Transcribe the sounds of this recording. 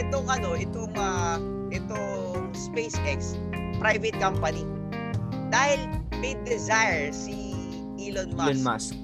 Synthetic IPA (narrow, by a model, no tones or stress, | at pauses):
ʔɛt̪oŋʔɐno̞ʔɪt̪omɐ | ʔɪt̪o | spejsʔɛks | pɾajvɛt̪̚kɐmpɐni | d̪aːhɪlmɐjd̪ɛzajɹsi | ʔilonmanma̰s